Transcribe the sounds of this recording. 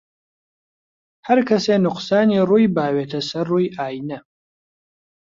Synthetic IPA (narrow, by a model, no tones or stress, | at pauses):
hɐɾkʰɐseːnʊqsaːniːruːjbaːweːt̪ʰɐsɐrːuːjʔaːjnɐ